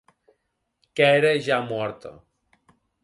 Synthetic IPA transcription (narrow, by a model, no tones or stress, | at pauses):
keeɾeʒamwɔɾt̪o̰